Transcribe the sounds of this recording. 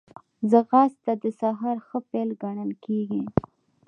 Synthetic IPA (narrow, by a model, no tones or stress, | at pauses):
zəɣɑst̪ad̪əsaɦɑɾxəfelɡaɳəlkeɡi